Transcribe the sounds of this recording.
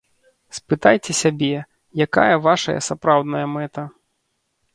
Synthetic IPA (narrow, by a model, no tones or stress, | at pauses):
spɨt̪ajt͡sʲɛsʲabʲɛ | jaka̰jɐvaʂɐ̰jɐ̰sapɾawd̪nɐjɐmɛt̪ɐ